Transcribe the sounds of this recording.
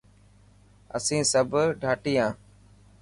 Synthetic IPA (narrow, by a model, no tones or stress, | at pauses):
əsĩːsəbʱɖʱaːʈiːãː